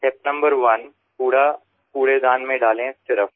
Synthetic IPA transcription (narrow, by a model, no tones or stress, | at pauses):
ʈɛp̚nɐ̃mbəɾʋɐn | puːɽa | puːɽed̪ãːnmẽɖaːlẽsɪɾəf